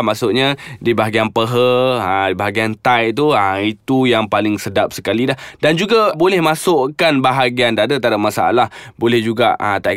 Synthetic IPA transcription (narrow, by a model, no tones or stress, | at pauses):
masʊʔɲãdibaɦaɡianpəɦəədibaɦaɡiant̪ajt̪̬uəit̪ujaŋpalɪŋsədap̚sə̥kalilahdand͡ʒuɡabolɛhmasʊʔkanbaɦaɡiandadət̪aɾamasaa̰lahbolɛhd͡ʒuɡa̰ʔət̪aj